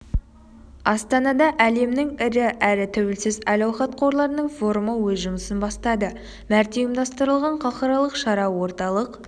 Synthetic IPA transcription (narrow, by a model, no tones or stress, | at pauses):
ɑst̪ɑnɑd̪ɑʔæle̞mnɪŋɪɾɪʔæɾɪt̪ʰɵwɪlsɪzɑlɑwχɑt̪̚qʰo̞ɾlˠɑɾənəɴfo̞ɾuməwɵzʒʊməsənbɑst̪ɑd̪ə | mæɾt̪ejɪmd̪ɑst̪əɾəlˠʁɑɴqʰɑqɑɾɑlˠəqʃɑɾɑwo̞ɾt̪ɑlˠəq